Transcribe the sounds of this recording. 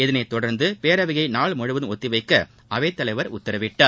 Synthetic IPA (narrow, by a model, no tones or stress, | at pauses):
ɛðɪnɐɪt̪ːɔɽɐɾnd̪ɯpeːɾɐʋɪɣɐɪnaːɭmɔɻɯʋɯðɔt̪ːɪʋɐɪkːɐ | ʔɐʋɐɪt̪ːɐlɐɪʋɐɾʊ̰t̪ːɐɾɐʋɪʈːaː